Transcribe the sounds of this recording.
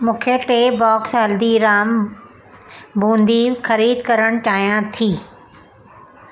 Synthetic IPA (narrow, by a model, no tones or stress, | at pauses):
mũːkʰeʈeːbɔːksɦɐld̪iɾaːm | bʱũːnd̪ixɐɾiːd̪kɐɾəɽ̃t͡ɕaːɦijãt̪ʰiː